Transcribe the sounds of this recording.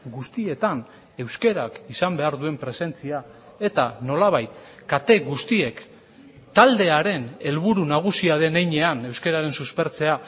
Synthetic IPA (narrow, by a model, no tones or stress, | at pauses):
ɡust̪ie̞t̪an | e̞wske̞ɾakisambe̞aɾðue̞mpɾe̞se̞nt͡sia | e̞t̪ano̞laβ̞ajt̪kat̪e̞ɣust̪ie̞k | t̪ald̪e̞aɾe̞ne̞lβuɾunaɣ̞usiaðe̞nejɲe̞ane̞wske̞ɾaɾe̞nsuspe̞ɾt͡se̞a